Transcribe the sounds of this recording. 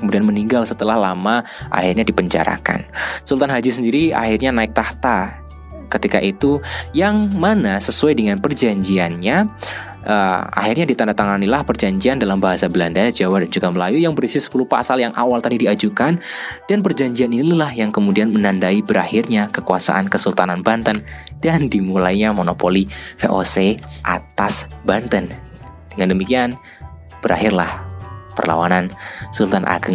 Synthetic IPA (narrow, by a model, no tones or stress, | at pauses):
kəmudianməniŋɡalsət̪əlahlama | ʔa̰hirɲadipəɲd͡ʒa̰ɾa̰ka̰nsult̪anɦad͡ʒisəndiɾia̰hirɲanaɪk̚t̪aht̪a | kət̪ika̰ʔit̪ujaŋmanasəsuajdəŋanpərd͡ʒaɲd͡ʒianɲa | ʔəa̰hirɲadit̪andat̪aŋanilahpərd͡ʒaɲd͡ʒiandalambaɦasabəlandad͡ʒawadand͡ʒuɡaməlajujaŋbəɾisɪsə̥pulupasaljaŋʔa̰walt̪adidiad͡ʒukand̥anpərd͡ʒaɲd͡ʒianinilahjaŋkəmudianmənandaibəɾahɪrɲakəkua̰sa̰ʔankəsəlt̪ananbant̪əndandimulajɲamonopolifeʔoseʔa̰t̪asbant̪ən | d̥əŋandəmikian | b̥əɾa̰ɦɪrlahpə̰rla̰wanansult̪anʔa̰ɡəŋ